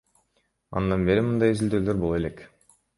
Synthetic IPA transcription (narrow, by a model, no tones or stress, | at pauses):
ɑ̰nd̪ɑnbe̞ɾimɯnd̪ɑjizild̪øːlø̞ɾbolˠoe̞le̞k